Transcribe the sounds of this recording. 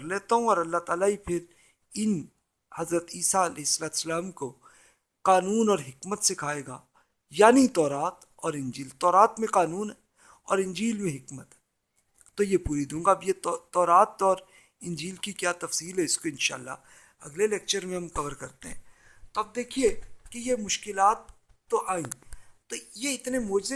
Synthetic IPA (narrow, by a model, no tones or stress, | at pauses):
ɾleːt̪aɦũɔːɾɐlːat̪aːlaipʰɪɾ | ɪn | hɐzɾət̪iːsaɐlɛːɦɪsːəlaːt̪u̥səlaːmko | qaːnuːnɔːɾɦɪkmət̪sekʰaːeːɡaː | jaːnit̪ɔːɾaːt̪ | ɔːɾɪ̃nd͡ʒiːlt̪ɔːɾaːt̪mẽqaːnuːnɦɛː | ɔːɾɪ̃nd͡ʒiːlmẽɦɪkmət̪ɦɛ | t̪ːojepuːɾid̪ũːŋɡaɐbjet̪ɔːɾaːt̪ɔːɾ | ɪ̃nd͡ʒiːlkikjaːt̪ɐfsiːlɦɛɪskoɪ̃nʃa̰ːlːa̰ | ɐ̰ɡleleːk̚t͡ʃəɾmẽɦɐmkɐʋəɾkɐɾt̪eɦɛ̰̃ː | t̪oɐb̚d̪eːkʰiekejemʊʃkɪlaːt̪ːoʔaːĩt̪ojeɪt̪nemoːd͡ʒze